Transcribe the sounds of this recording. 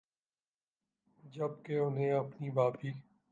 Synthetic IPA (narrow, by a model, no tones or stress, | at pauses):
d͡ʒɐb̚keʊnɦẽɐpnibaːpiː